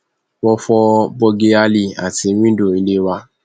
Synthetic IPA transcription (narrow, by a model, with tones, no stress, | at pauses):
wɔ˧fɔ˧bɔ˧ɡe˧a˧li˦˨a̰˨ti˨˧wĩ˦do˦˨i˧le˦wa˧